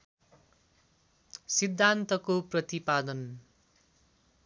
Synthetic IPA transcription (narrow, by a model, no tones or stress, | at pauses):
sid̪ʱːant̪ʌkoprʌt̪ipad̪ʌn